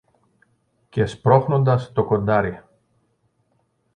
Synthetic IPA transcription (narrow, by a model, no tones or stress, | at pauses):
cespɾo̞xno̞nd̪ɐst̪o̞ko̞nd̪ɐɾi